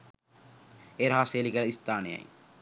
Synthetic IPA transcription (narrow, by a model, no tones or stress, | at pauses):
eɾɦaːseːlikɐlɐist̪aːnḛja̰j